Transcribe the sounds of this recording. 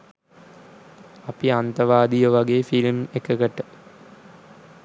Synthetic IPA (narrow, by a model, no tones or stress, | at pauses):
ɐpiɐnt̪ɐʋaːd̪ijɐʋɐɡefilmekːɐkɐʈːɐ